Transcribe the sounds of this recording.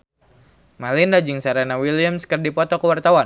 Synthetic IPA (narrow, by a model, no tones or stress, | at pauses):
malɪndad͡ʒɪŋsaɾanawilijamskərdipɔt̪ɔkəwart̪awa